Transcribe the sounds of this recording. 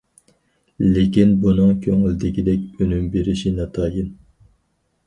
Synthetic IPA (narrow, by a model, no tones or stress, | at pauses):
lekʲinbunɨŋkʲʰøŋylɪd̪ɪkʲid̪ɛkʲønymbeɾɪʃinɑt̪ʰɑːjɨn